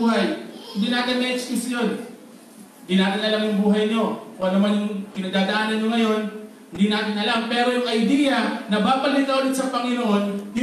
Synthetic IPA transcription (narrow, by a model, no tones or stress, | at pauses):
ɦajhɪnd̪iːnaːt̪ɪnmɛt͡ʃpɪsjon | hɪnd̪inaːt̪ɪnɐlamjʊŋbuːɦɐjɲo̞koʔɐnɐmanʊŋkɪnad̪aːd̪ɐʔaːnɐnɲo̞ŋɐjo̞n | hɪnd̪inaːt̪ɪnʔɐlampɛːɾo̞jʊŋkɐʔɪbiːɡɐnɐbaːpɐlɪt̪kɐʔod̪ɪt̪sɐpɐŋɪnoʔo̞nh